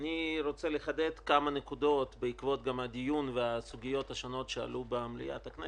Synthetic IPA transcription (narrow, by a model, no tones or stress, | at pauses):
niɾo̞t͡se̞leχad̪et̪kamanekud̪o̞t̪beikvo̞t̪ɡamad̪ijunveasuɡijo̞t̪haʃono̞tʃea̰lubeamlḭja̰t̪akne